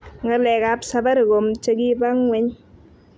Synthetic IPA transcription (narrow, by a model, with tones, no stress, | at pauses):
ŋə˦lɛ˨ka˨psa˨ba˦ɾɡo˨mt͡ʃə˦ɡi˦ba˦ŋwɛ˨˦ɲ